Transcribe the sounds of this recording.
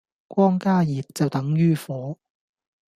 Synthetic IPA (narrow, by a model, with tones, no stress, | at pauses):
kʷɔː˥ŋkaː˥jiː˨t̚t͡sɐ˨wt̪ɐ˨˥ŋjyː˥fɔː˨˥